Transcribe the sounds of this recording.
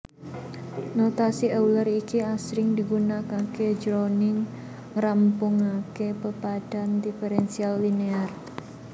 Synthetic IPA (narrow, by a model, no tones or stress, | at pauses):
not̪asiʔəwləɾikiasɾɪŋd̪iɡunakaked͡ʒɾonɪŋ | ɾampʊŋakepəpad̥and̪ifeɾɛnsialːinear